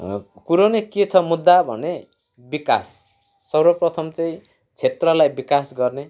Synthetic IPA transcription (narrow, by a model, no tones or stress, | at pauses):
kuɾoneket͡sʰʌmud̪ːabʱʌ̰ne | bikasː | ʌrwʌprʌt̪ʰʌmt͡sʌĩ | t͡sʰet̪rʌlajbikasɡʌrne